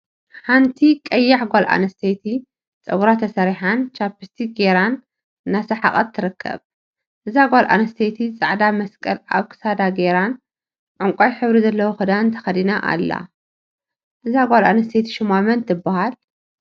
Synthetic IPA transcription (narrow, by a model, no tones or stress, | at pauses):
ħant̪ʰikʼɐjːaħɡʷalʔa̰nɐst̪ʰet̪ʰi | t͡sʼɐɡuɾat̪ʰɐsɐɾiħant͡ʃʰapːist̪ʰiɡeɾanː | asɐħa̰χʼɐt̪ʰːɨɾɨkʰːɐ̰β | ʔɨzaɡʷalʔa̰nɐst̪ʰet̪ʰit͡sʼaʕd̪amɐskʼɐla̰βkʰɨ̥sad̪aɡeɾan | ʕʊŋkʷʼajħɨβɾizɐlːɐwuxɨd̪ant̪ʰɐ̥xɐd̪inaʔa̰lːa̰ | ʔɨzaɡʷalanɐst̪ʰet̪ʰi̥ʃumamɐnt̪ʰɨbːahal